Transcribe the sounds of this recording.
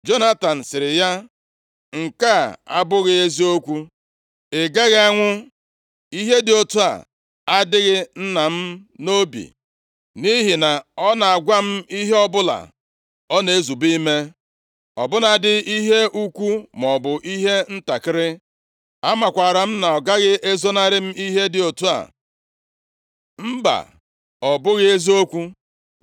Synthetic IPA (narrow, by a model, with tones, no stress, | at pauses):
d͡ʒo˦na˦ta˨n̩˨sɪ˨ɾɪ˨ja˦ | ŋ̩˨ka˦˨a̰˦bʊ˦ɣɪ˦e˦zi˦o˦kʷu˦ | e˨ɡe˦ɣa˦ŋʷʊ˦ | i˦ɦe˦dɪ˨o˦tu˦a̰˨ | a˦dɪ˦ɣɪ˦n̩˦na˨m̩˦no˦bḭ˨ | ni˦ɦi˨na˨ɔ˦na˨a˨ɡʷa˦m̩˦i˦ɦe˦ɔ˦bʊ˦la̰˨ | ɔ˦ne˨e˦zu˨bi˦me˦ | ɔ˨bʊ˦na˨dɪ˦i˦ɦe˦ʔu˦kʷu˦mɔ˨bʊ˨ʔi˦ɦe˦n̩˦ta˨kɪ˦ɾɪ˦ | a˦ma˨kʷa˨ɾa˨m̩˦na˨ɔ˨ɡa˦ɣɪ˦ʔe˦zo˦na˦ɾɪ˦m̩˦i˦ɦe˦dɪ˨o˨tu˦a̰˨ | m̩˦ba̰˨ | ɔ˨bʊ˦ɣɪ˦e˦zi˦o˦kʷu˦